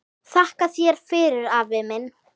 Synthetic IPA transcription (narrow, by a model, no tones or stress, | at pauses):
θahkaθjɛɾ̥fɪːɾɪɾavɪmɪn